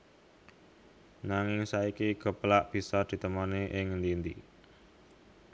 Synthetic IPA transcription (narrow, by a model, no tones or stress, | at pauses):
naŋɪŋsaikiɡ̥ə̤plaʔb̥i̤sɔd̪̥i̤t̪əmaneʔɪŋnd̪ind̪i